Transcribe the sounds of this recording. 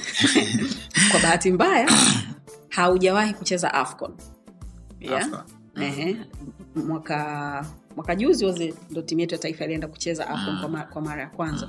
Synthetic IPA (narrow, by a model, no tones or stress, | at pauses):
kwaɓaɦatimbaja | hauʄawahikut͡ʃɛza̰ʔa̰fkɔ̰n | ja | ɛɦɛ | mwaka | mwakaʄuziwɔzɛndɔtimujɛtujataifailiɛndaku̥t͡ʃɛza̰ʔafkɔnkwakwamaɾajakwanza